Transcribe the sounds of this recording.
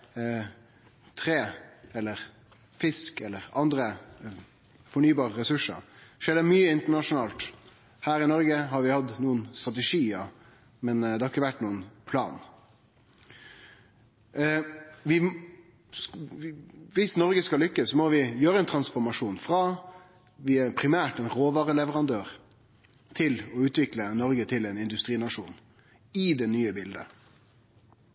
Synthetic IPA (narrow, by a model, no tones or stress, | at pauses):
t̪ʰɾeːɛlːəɾ | fɪskɛlːəɾɑnd̪ɾə | fɔɳyːbɑːʁəɾɛsʉʂə̰ɾʂeːd̪ɛmyːəɪnt̪əɳɑʂʊnɑːlt̪ | hæːɾɪnɔɾɡəɦɑɾʋɪhɑd̪nuːənst̪ɾʁɑt̪̬ɛʂiːə | mɛnd̪ɛhɑɾɪkːəʋæʈːnuːənpʰlɑ̰ːn | ʋɪ | ʋɪsnɔɾɡəskɑllʏkːəssːɔmɔʋɪjøːɾəɛnt̪ʰɾɑnsfɔɾmɑʂuːnfɾɑ | ʋɪæɾpʰɾɪmæːʈɛnʁoːʋɑːɾəlɛʋəɾɑnd̪øːʁ | t̪ʰɪlɔʉːt̪ʋɪklənɔɾɡət̪ʰɪlɛɪnɪnd̪ʉst̪ɾiːnɑʂṵːn | ɪd̪ɛnyːəbɪld̪ə̰